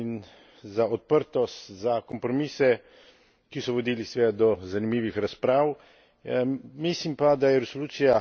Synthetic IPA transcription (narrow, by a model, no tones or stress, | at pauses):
in | zaɔt̪̚pəɾt̪ɔst̪zakɔmpɾɔmiːsɛ | kisɔʋɔd̪iːlisʋɛd̪d̪ɔzanimiːʋixɾaspɾaːw | mislimpad̪ajɛɾɛsoluːt̪sija